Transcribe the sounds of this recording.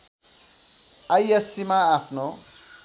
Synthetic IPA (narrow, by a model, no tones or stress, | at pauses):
ajesimaːpʰno